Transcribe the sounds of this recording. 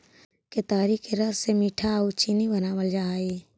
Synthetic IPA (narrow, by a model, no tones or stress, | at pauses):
ket̪aːɾikeɾəssemiːʈʰaut͡ʃinibənaːʋəld͡ʒaːe